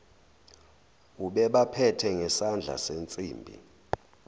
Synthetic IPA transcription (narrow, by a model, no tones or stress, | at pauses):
uɓɛɓapʰɛtʰɛŋɛsand͡ɮʱa̰sent͡sʼḭːmbʱḭ